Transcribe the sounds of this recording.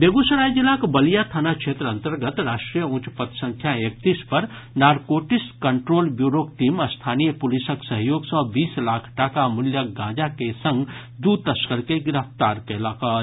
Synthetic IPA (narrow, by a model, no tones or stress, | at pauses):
beɡusəɾajd͡ʒilakbəlijat̪ʰanakt͡ʃʰet̪ɾəənt̪əɾɡət̪ɾasʈɾijəũt͡ʃpət̪sə̃ŋkʰjaek̚t̪ispəɾ | naɾkoʈiskəɳʈɾoːlbjuɾokʈiməst̪ʰanijəpulisəksəɦjoɡsə̃biːslakʰʈakamuljəɡãd͡ʒakesə̃ŋɡ | d̪ut̪əskəɾkeɡiɾəpʰt̪aɾkɛlakə